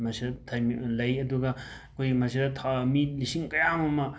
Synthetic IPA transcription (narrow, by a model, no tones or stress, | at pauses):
mɐsidɐtʰɐjlɐjɐduɡɐ | kʰojɡimɐsidɐtʰamilisiŋkɐjamɐmɐ